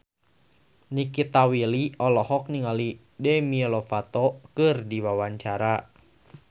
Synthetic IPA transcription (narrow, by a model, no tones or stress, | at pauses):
nikit̪awiliɔlɔhɔk̚niŋali | dɛmiɛlɔfat̪ɔkɨrdiwawaɲt͡ʃaɾa